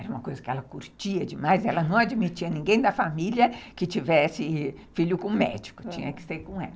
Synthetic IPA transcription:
ɛɾɐũmɐkojzɐkɪɛlɐkuɾt͡ʃiɐd͡ʒɪmajzɛlɐnɐ̃w̃ad͡ʒimit͡ʃiɐnĩɡẽj̃d̪ɐfamiljɐkɪt͡ʃivɛsɪ | fiʎʊkõmɛ̰d͡ʒi̥kʊ̥t͡ʃĩɲɐkɪ̥seɾkõɛlɐ

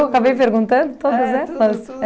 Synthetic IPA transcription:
wakabejpeɾɡũnt̪ɐ̃nd̪ʊt̪od̪ɐzɛlɐs

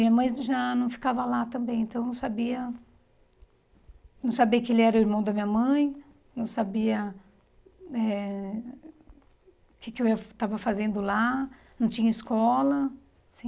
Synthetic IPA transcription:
mĩɲɐmɐ̃j̃ʒanɐ̃w̃fi̥kavɐlat̪ɐ̃mbẽj̃ẽnt̪ɐ̃w̃ñw̃sabiɐ | nɐ̃w̃sabiɐkɪelɪɛɾʊiɾmɐ̃w̃d̪ɐmĩɲɐmɐ̃j̃ | nɐ̃w̃sabiɐ | ɛ | kɪkɪewt̪avɐfazẽnd̪ʊlanɐ̃w̃t͡ʃĩɲɐiskɔlɐ | sĩ

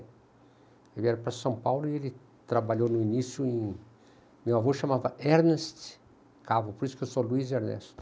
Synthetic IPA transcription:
ewiɛɾɐpɾɐsɐ̃w̃pawlʊielɪ | t̪ɾabaʎownʊinisjʊẽ | mewavoʃamavɐʔɛɾnest̪ | kavʊpoɾisʊ̥kewsoluizɛɾnɛ̰st̪

